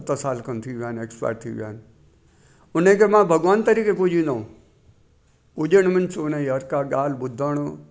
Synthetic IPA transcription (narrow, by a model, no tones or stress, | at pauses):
t̪əsaːlkənt̪ʰiʋjaːnekspa̰ːʈ̚t̪ʰiḭʋja̰ːn | ʊnẽkemãːbʱɐɡʋaːnt̪ɐɾiːkepud͡ʒĩːnd̪aːũ | pud͡ʒəɽ̃mənsʊnẽɦɐɾkaɡaːlbʊd̪ʱəɽ̃